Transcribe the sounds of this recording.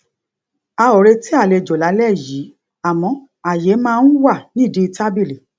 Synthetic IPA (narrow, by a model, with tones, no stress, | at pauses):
a˧o˨ɾe˧ti˦a˦˨le˧˨d͡ʒo˨la˨˦lɛ˦˨ji˨˦ | a˨mɔ̃˧ | a˨je˨˦mãː˦˧˦n̩˦wa˦˨nĩ˦˨di˨˦˧ta˦bi˦˨le˨